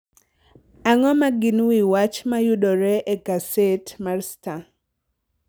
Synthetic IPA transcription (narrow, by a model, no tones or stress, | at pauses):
aŋɔmaɡɪnwiwat͡ʃmajʊɗɔɾɛʔɛkasetmarsta